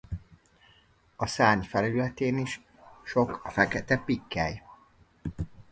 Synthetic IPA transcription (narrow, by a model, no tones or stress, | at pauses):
ɒsaːɲfɛlylɛt̪eːniʃ | ʃo̞kfɛkɛt̪ɛpikːɛj